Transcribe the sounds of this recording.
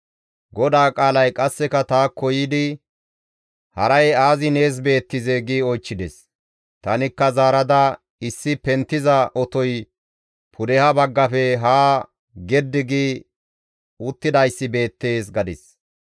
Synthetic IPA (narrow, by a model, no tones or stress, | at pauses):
ɡɔd̪aːkʼaːlɐjkʼɐsːɛkɐt̪aːkːɔjɪd̪ɪ | hɐɾɐjaːzɪne̞ːs̬be̞ːt̪ːɪzeɡiːɔjt͡ʃːɪd̪ɛs | t̪ɐnɪkːɐzaːɾɐd̪ɐ | ɪsːɪpɛnt̪ːɪzɐʔɔt̪ɔj | pʰʊd̪ɛhɐbɐɡːɐfɛɦaː | ɡɛd̪ːɪɡiː | ʊt̪ːɪd̪ɐjsːɪbe̞ːt̪ːe̞ːsɡɐd̪ɛs